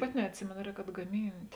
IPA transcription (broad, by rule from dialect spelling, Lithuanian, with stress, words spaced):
ˈpɑːˌtʲɪ nʲɛɐtʲˈsʲɪmʲeːnoː ˈrʲɛːk ɐdɡɐˈmʲiːnʲtʲ